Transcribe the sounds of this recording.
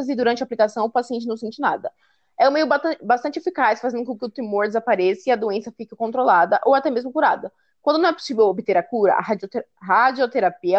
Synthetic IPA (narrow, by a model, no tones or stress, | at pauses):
zɪd̪uɾɐ̃nt͡ʃɪaːplikasɐ̃w̃ʊpasiẽnt͡ʃɪñsẽnt͡ʃɪna̰d̪ɐ | ɛ̃mejʊbabast̪ɐ̃nt͡ʃɪefikasfazẽd̪ʊkõkɪʊt̪emoɾd͡ʒɪzapaɾɛsɪɪɐd̪oẽsɐfikɪkõnt̪ɾolad̪ɐʔowat̪ɛmezmʊkuɾad̪ɐ | kwɐ̃nd̪ʊnɐ̃ɛpo̥sivewobɪt̪eɾɐkuɾɐ̰ʔa̰ɦa | ɦad͡ʒiot̪eɾapiɐ